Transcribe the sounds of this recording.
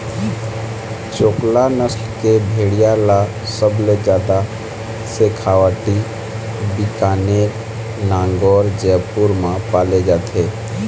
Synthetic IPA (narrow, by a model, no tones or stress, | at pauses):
t͡ʃoːklanəsʈkebʱeːɽijala | səbled͡ʒjaːd̪a | sekʰaːwaːʈi | bikaːne | nãːŋɡɔːɾd͡ʒɛːpuɾmãpaːled͡ʒaːt̪ʰeː